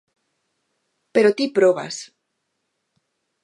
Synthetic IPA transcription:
peɾot̪ipɾoβa̰s

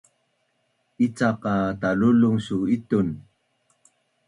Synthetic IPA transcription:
it͡saqataluluŋsuitun

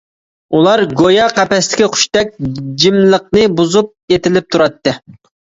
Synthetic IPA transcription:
ulˠɑɾɡojɑqæpɛst̪ɪ̥kʲiqʰʊ̥ʃt̪ɛk̚ʲd͡ʒimlˠəq̚nɨbuzup̚et̪ɪlɪp̚t̪ʰuɾɑt̪ːɨ

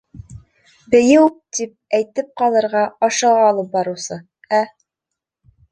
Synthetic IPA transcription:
bɘ̆jɘwt̪ip̚æjt̪ɘp̚qɑlˠɤ̆ɾʁɑɒʃɤ̆ʁɑːlˠɤp̚bɑɾɤ̆wsɤ | æ

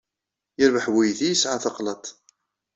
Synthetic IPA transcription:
jəɾvəħwijθijəsʕaθɑqlət̪ˤ

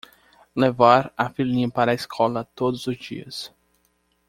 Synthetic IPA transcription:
levaɾafilĩɐpaɾɐiskʰɔlɐt̪od̪ʊzʊzd͡ʒḭɐs

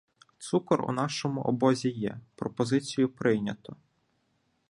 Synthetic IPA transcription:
t̪sukɔrṵnɑʃɔmʊʔɔbɔzʲijɛ̰pɾɔpɔzɪt͡sʲijʊpɾɪjnʲɐt̪ɔ

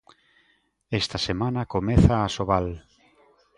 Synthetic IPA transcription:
est̪asemãnakomeθaːsoβal

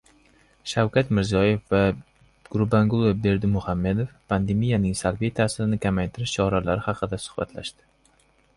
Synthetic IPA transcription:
ʃawkʰʲat̪mɪɾzijɒje̞fva | ɡ̥ʊɾbaŋɡʊlˠeb̚b̪e̞ɾd̪ɪmʊhamːe̞d̪o̞fpʰand̪e̞mijanɪŋsalbijt̪ʰaːsɪɾɪnɪkʲʰamajt̪ʰɪɾɪʃt͡ʃʰɒɾalaɾɪhɑqʰɨd̪asʊ̥χbat̪ʰla̰ʃd̪ɪ̥

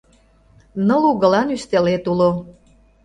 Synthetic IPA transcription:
nɤluɣə̆lɑnyst̪elet̪ulo

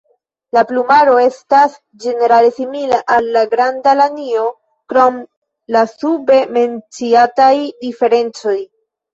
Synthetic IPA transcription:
laplumaɾo̞e̞stas | d͡ʒe̞ne̞ɾale̞similaʔalːaɡɾandalanio̞ | kɾo̞m | lasube̞me̞nt͡siatajdife̞ɾe̞nt͡so̞j

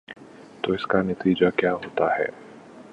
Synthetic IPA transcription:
t̪oːɪskanɐt̪iːd͡ʒakjaːɦoːt̪aɦɛ̰ː

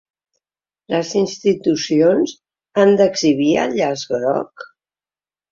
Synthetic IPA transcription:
ləzinst̪it̪usionz | and̪əɡziβ̞iə̰ʎazɣɾɔ̰k

